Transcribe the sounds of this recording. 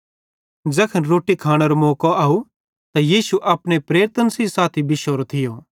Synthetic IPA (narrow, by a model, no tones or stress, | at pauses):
d͡ʒɐkʰənɾoːʈikʰaːɽ̃eɾomoːkoaːu | t̪ajiːsuʔɐpɽ̃epɾeːɾt̪ənsisaːt̪ʰibɪʃoːɾot̪ʰɪjo